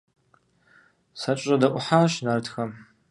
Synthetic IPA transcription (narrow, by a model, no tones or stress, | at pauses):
sɐt͡ʃʼɐdɐʔʷʼʊħaːʃnɐrtʰxɐm